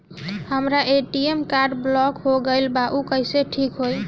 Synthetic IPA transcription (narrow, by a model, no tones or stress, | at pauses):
həmɾaeʈiemkaɾɖblɔkɦoɡəɪlbaʔukəiseʈʰikɦoj